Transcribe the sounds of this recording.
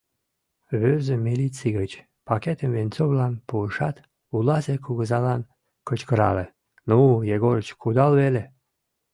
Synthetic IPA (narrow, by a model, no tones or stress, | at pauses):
βøzəmilit͡siɣət͡ɕ | pɑket̪əmvenʲt͡soβlɑnpuəʃɑt̪ | ulɑzekuɣəzɑlɑn | kət͡ɕkəɾɑ̰le | nujeɣoɾət͡ɕkud̪ɑlβele